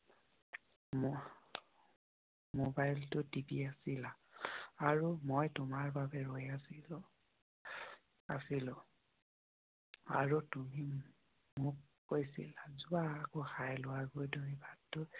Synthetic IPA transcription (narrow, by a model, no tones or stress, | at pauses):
mobajltʊdibiasilaː | ɹumojtʊmaɹbabɛɹojasi | a̰silʊ | a̰ɹutumi | mʊkːojsḭlazuaːkoxajlʊwaɡojdoɹibadːʊ